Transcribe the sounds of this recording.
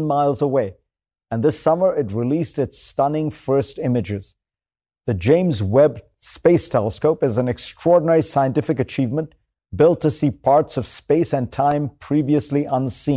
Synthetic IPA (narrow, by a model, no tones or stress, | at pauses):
nmaɪlˠzəweɪ | ɨ̃nðɪsʌmə˞ɨt̬̚ɹilistɨtstʌ̃nɪ̃ŋfɜ˞stɪ̃mɨd͡ʒɪz̥ | ðɨd͡ʒẽɪ̃mzwɛb | speɪstʰɛlˠəskoʊpɨzɨ̃n̩ɨkstɹ̥ɔɹdⁿn̩ɛɹisaɪɨ̃ntɪfɨkɨt͡ʃʰivmə̃n | b̥ɪlˠtʰɨsipʰɑɹtsʌv̥speɪsɨ̃ntʰãɪ̃mpʰɹ̥iviɨsliʔʌ̃nsĩ